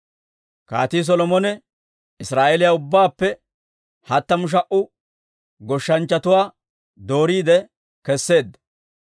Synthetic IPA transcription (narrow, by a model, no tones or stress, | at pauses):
ka̰ːt̪iːs̬ɔlɔmɔnɛ | ɪsɾaːʔɛlɪjaʊbːaːpːɛ | hɐt̪ːɐmʊʃ̬ɐʔʊ | ɡɔʃːɐnt͡ʃːɐt̪ʊwaː | d̪o̞ːɾiːd̪ɛ | kɛsːe̞ːd̪ːɐ̥